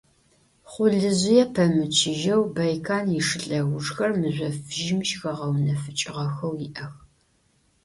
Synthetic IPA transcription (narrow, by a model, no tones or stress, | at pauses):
χʷʊɮɨzɪjɛpʰɐmɨt͡ʃʰɪʒɐwbɐjkʰaːnjiʂɨɬʼɐɣʷʊʐxɐrmɨzʷɔfɨʒɪmʃxɐʁɐwnɐfɨt͡ʃʼɪʁɐxɐwjɪʔɐx